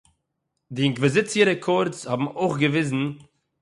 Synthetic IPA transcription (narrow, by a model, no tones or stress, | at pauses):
dɪɪŋkvɛzɪt͡siəɾəkʰɔɾt͡shabm̩oɪχɡəvɪzn̩